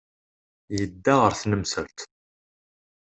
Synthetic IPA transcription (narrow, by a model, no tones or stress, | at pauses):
jəd̪ːaʁəɾθnəmsə̰lt̪